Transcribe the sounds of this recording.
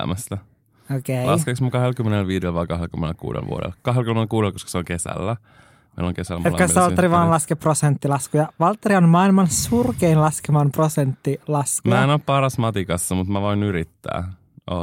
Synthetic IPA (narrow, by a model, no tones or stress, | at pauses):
mæst̪æ | okelɑskeksmɑkɑhelkymːenelʋiːdelʋɑikɑɦelkymːenḛlkṵːdḛlʋṵo̰dḛlkɑɦelkymːenelkuːdelkoskɑ̥seoŋkesæ̰lːæ | mḛilõ̰ŋkesælːmet̪ːkɑst̪ːɑlt̪ːeɾiʋɑːnlɑskeprosent̪ːilɑskujɑʋɑlt̪ːeɾionmɑilmɑnsurkeinlɑskemɑnprosent̪ːilɑskmemæːenoːppɑrɑsmɑt̪ikɑsːɑmut̪mæʋoinyɾit̪ːæ̰ː | ʔo̰